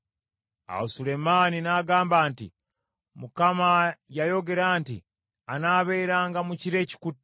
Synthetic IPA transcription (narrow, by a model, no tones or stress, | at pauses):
a̰usule̞maːninaːɡaːmbaːntḭ | mukamajajo̞ɡe̞ɾaːntḭ | anaːβe̞ːɾaːŋɡamuciɾe̞ːci̥kut